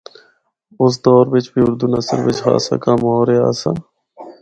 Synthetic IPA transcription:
ʊs̬d̪ɔːɾʋɪt͡ʃbiːʊɾd̪uːnəsə̰ɾʋɪt͡ʃɦa̰ːsa̰ːkaːmɔːɾeːa̰ːsaː

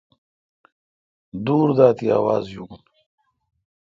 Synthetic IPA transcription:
d̪uːɾd̪aːt̪ia̰ːwaːzjuːn

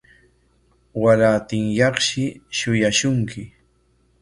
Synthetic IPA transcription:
waɾaːt̪ɪŋjɑχʃɪʃʊjaʃʊŋkɪ

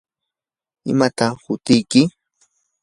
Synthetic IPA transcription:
ɪ̰mat̪ahʊt̪ɪjkɪ

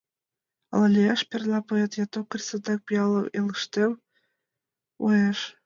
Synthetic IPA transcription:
ɑ̰lɤlʲejɑʃpʲerlˠɑpoet̪jɑt̪okrʲisɤd̪ɑk̚pujɑlˠɤelɯʃt̪ew | ueʃ

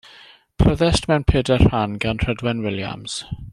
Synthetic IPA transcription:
pʰrəðɛstmɛwnpʰeːdɛr̥hanɡanr̥ədwɛnwɪlja̰mz̥

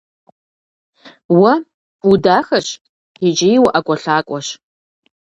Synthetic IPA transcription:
wɐ | udaːxɐɕ | id͡ʒɪjwʊʔakʷʼɔɬaːkʷʼɔʃ

